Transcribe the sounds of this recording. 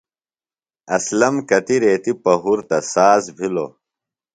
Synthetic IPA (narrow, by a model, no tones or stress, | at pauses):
ɐslɐmkɐt̪iɾeːt̪ipɐɦuɾt̪ɐsaːzbʱilo̰